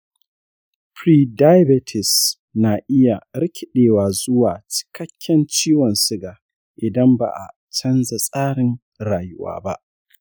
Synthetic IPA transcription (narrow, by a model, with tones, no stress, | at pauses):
pɾiː˦˨da˦jbɛ˨˦tʰɪ˨s | naː˨ʔɪ˦ja˨ɾɪ˦kʲʰɪ˨ɗeː˨waː˨zʊ˦waː˨t͡ʃɪ̥˨kɐ˦kʲːɛ˦nt͡ʃiː˦wɐ˨nsɪ˦ɡaː˨ | ʔɪ˨dɐ˦mba̰˨ʔa̰˨ | t͡ʃɐ˦nza˨sʼaː˦ɽɪ˨ŋ | ɽaː˨jɪ˦wa̰ː˦ba˦ʔ